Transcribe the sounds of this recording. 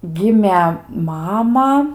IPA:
ˈɡʲɪmʲeː ˈmɑːmɐ

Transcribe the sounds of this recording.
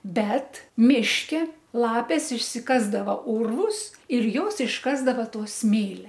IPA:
ˈbʲɛt ˈmʲɪʃʲkʲɛ ˈlˠɑːpʲeːs ɪʃʲsʲɪˈkɑːzdɐʋɐ ˈʊrʋʊs ɪr ˈjoːs ɪʃˈkɑːzdɐʋɐ ˈtoː ˈsʲmʲeːlʲɛ

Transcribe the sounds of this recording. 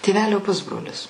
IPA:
tʲeːˈʋʲæːlʲoː ˈpʊzbroːlʲɪs

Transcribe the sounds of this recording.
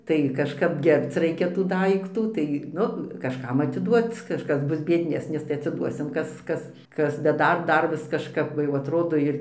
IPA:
tɐɪ kɐʃˈkɐp ˈɡʲɛrpt͡s ˈrɐɪkʲɛ tuː ˈdɐɪktuː ˈtɐɪ ˈnʊ kɐʃˈkɐm ɐtʲɪˈduɔt ˈkɑːʃkɐs ˈbʊs bʲiɛdʲˈnʲæːsʲnʲɪs tɐɪ ɐtʲsʲɪˈduɔsʲɪm ˈkɐs ˈkɐs ˈkɐs bʲɛt ˈdɐr ˈdɐr ʋʲɪs kɐʃˈkɐp ˈʋɐ jɛʊ ɐtˈroːdoː ɪr

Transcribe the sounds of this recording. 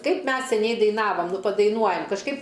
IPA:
ˈkɐɪp ˈmʲɛs sʲɛˈnʲɛɪ dɐɪˈnɑːʋɐm ˈnʊ pɐdɐɪˈnuɔjɛm kɐʃˈkɐɪp

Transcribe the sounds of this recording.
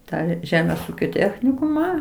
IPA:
ˈtɑː ˈʒʲæːmʲeːs ˈuːkʲoː ˈtʲæːxʲnʲɪkʊmɑː

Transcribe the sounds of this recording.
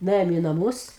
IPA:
nʊˈeːjoːm iː nɐˈmuːs

